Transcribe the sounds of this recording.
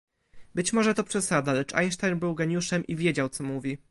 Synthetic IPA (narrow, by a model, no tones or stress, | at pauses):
bɘt͡ɕmɔʐɛt̪ɔpʂɛsad̪alɛt͡ʂa̰jnʂt̪ajnbɘwɡɛɲuʂɛmʔivʲjed͡ʑawt̪sɔmuvʲi